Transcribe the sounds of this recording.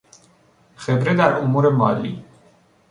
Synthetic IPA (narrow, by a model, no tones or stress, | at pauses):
χɛbɾɛd̪aɾʔʼumuɾɛmalḭ